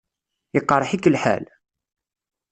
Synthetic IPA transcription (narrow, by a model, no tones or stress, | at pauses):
əqːɑɾˤħikːlħa̰l